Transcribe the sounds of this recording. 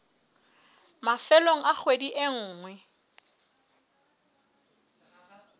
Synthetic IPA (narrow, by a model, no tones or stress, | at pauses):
mafɛloŋ̩ak͡xʰwediʔeŋ̩ːŋwɛ